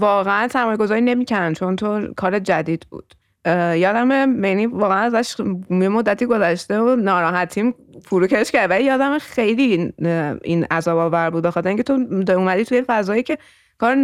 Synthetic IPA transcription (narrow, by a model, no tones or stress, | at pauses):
vɒːɣeænsʰæmɒːjɡo̞zɒːɾiːne̞miːcæɾænt͡ʃʰo̞nt̪ʰokʰɒːɾed͡ʒæd̪iːd̪̥bṵːd̪̥ | jɒːd̪æmemenivɒːɣeænæzæʃjemo̞d̪ːæt̪ʰiːɡo̞zæʃt̪e̞onɒːɾɒːɦæt̪ʰiːm | fuɾuːcʰeʃcæɾd̪vælijɒːd̪æmexe̞jli | ḭnæzɒːbɒːvæɾbud̪̚bexɒt̪ʰeɾiŋcʰet̪ʰod̪umæd̪it̪ʰujefæzɒːjiːcʰe̞ | kʰɒːɾe